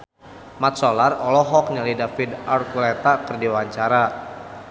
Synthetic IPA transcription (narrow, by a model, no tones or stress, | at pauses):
mat̪̚sɔlarɔlɔɦɔk̚ɲalidafidarkulɛt̪akərdiwaɲt͡ʃaɾa